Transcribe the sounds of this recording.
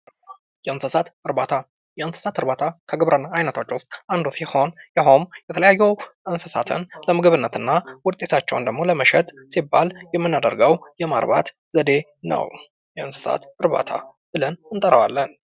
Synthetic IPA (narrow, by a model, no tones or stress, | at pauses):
jɛɨnsəsat̪ɨɾbat̪ʰa | jɛɨnsə̥sat̪ɨɾbat̪ʰakʰəɡɨβɾʔənːaːjnət̪ʰot͡ʃːwʊst̪ʼand̪usiho̞njaɦo̞mjɛt̪ʰələjajːɛwʔɨnsəsa̰t̪ʰɨ̰nləmɨɡɨβɨnːət̪ɨnːawʊt̪ʼːe̞t̪ʰat͡ʃːɛ̰wnd̪əɡmo̞ləməʃɛt̪ʼsibːaljɛmːɨnːad̪əɾɡəwjɛma̰ɾba̰t̪ | zəd̪e̞ | nə̰w | jɛɨnsə̥sa̰t̪ɨɾba̰t̪ʰa̰ | bɨlənɨnt̪ʼəɾəwalːən